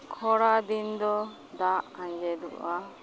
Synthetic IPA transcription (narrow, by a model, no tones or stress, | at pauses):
kʰɔɽad̪ind̪ɔ | d̪aʔãɲd͡ʒɛd̪ṵʔa